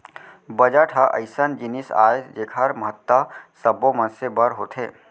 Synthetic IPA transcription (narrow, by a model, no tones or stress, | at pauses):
bəd͡ʒəʈʰəʔə̰ɪsənd͡ʒinisa̰ːed͡ʒekʰəɾməɦət̪ːəsəbomənsebəɾɦot̪ʰɦeː